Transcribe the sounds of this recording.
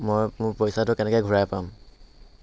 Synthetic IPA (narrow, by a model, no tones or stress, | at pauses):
mojmʊɹpɔjsatʊkɛnɛkɛɡʱuɹajpam